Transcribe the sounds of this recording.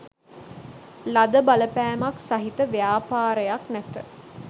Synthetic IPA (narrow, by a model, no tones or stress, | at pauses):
lad̪əbaləpæːmaksaɦit̪əʋejaːpaːɾəjaknæt̪ə